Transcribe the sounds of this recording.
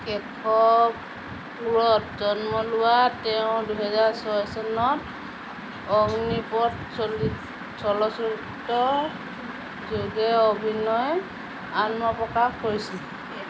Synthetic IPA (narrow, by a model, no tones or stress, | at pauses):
kɛkʰɔ | luɹɔtzɔnmɔlʊwatɛʊ̃duɦɛzaɹsɔɦɔjsɔnɔt | ɔŋnipɔtsoli | sɔlɔsɔɹitːɔ | zuɡɛobʱinɔj | anmɔpɹɔkaxkoɹisil